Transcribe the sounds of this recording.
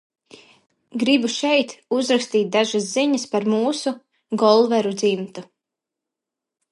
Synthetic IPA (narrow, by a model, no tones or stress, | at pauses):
ɡɾibuʃɛjt̪uzɾakst̪iːt̪̚d̪aʒasziɲɐspaɾmuːsu | ɡɔlˠvɛɾud̪zimt̪u